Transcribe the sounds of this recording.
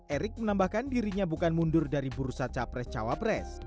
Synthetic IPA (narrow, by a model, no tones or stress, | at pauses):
ʔɛɾɪk̚mənambahkandiɾiɲabukanmundʊrdaɾibuɾusat͡ʃapɾɛst͡ʃawapɾɛs